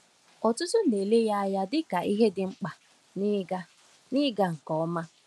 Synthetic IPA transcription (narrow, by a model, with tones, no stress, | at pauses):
ɔ˨tʊ˦tʊ˦˨e˨le˦ja˦a˦ja˦dɪ˦ka˨i˦ɦe˦dɪ˨ŋ͡m̩˦k͡pa˨˦ | a˦ | nɪ˦ɡa˦ŋ̩˨kɔ˦ɔ˦ma˦